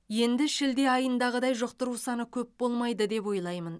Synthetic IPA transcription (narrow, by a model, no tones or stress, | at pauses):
je̞nd̪ɪʃɪld̪e̞ɑjənd̪ɑʁəd̪ɑjʒoqt̪əɾusɑnəkʲʰɵp̚b̥o̞lˠmɑjd̪əd̪e̞pwo̞jlˠɑjmən